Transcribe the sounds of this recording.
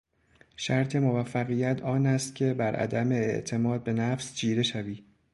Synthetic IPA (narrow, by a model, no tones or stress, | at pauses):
ʃæɾt̪ʰe̞movæfːæɣiːjæt̪ʰɒːnæst̪cʲʰe̞bæɾʔæ̰d̪æme̞ːʔt̪ʰe̞mɒːd̪̚be̞næfsd͡ʒiːɾe̞ʃæviː